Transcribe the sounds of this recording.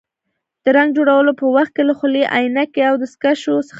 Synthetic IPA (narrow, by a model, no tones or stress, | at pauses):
d̪̥əɾaŋɡd͡ʒoɽawəlopəwaxt̪̚kelaxʊleʔa̰jnakeawd̪əskaʃosə̥